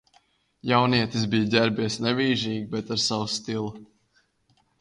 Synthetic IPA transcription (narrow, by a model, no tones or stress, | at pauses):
jawniɛt̪izbijd̪ʲæɛɾbiɛsnɛvʲiːʒiːɡibɛt̪aɾsawust̪ilˠu